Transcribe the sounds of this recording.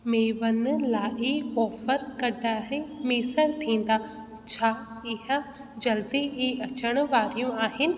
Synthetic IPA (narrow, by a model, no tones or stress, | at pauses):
meːʋənlaːʔɪɔːfəɾkɐɖaːɦẽmeːsəɾt̪ʰĩːn̆d̪aː | t͡ɕʰaː | ɪɦə | d͡ʑɐld̪iɐt͡ɕəɽ̃ʊ̆ʋaːɾijũaːɦɪnɪ̆